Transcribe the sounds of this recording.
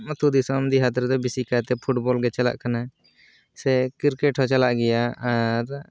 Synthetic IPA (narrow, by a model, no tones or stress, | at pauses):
mət̪ud̪isɔmd̪iɦat̪ɾt̪ɛbisikat̪ɛpʰuʈbɔlɡɛt͡ʃala̰ʔkana | sɛkɪɾkɛʈʰɔt͡ʃalaʔɡɛjaaɾ